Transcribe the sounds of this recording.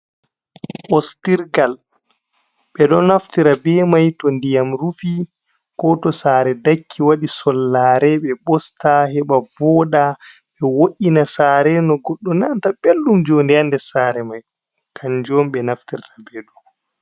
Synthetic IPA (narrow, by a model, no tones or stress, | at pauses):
ʔɔstiɾɡal | ɓɛɗɔnaftiɾabɛmajtɔndijamɾufi | kɔtɔsaːɾɛdakʰːiwaɗisɔlːaːɾɛɓɛɓɔstahɛɓavɔːɗa | ɓɛwoʔʲinasaːɾɛnɔɡɔɗːɔnantabelːumd͡ʒondɛjandɛsaːɾɛmaj | kʰaɲd͡ʒɔmɓɛnaftiɾtʰabɛːɗɔ